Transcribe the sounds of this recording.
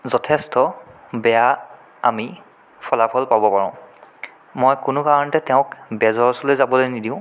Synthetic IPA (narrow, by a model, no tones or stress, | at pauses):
zɔtʰɛstɔ | bɛja | ami | pʰɔlapʰɔlpabɔpaɹɔ̃ʊ̃ | mojkʊnʊkaɹɔntɛtɛʊ̃kbɛzɔɹsɔlojzabɔlojnidiʊ̃